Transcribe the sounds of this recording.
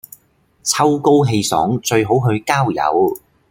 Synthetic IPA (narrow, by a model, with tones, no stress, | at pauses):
t͡sʰɐ˥wko˥wɦe˧jsɔ̰ː˨˥ŋt͡ʃɵ˧ɥɦo˨˥wɦɵ˧ɥkaː˥wjɐ̰˨˥w